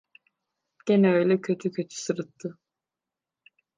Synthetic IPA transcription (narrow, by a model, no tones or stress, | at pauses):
ɟ̥enɛøjlʲɛcʰø̞t̪ʰycʰø̞t̪ʰy̥sɯɾɯt̪ʰːɯ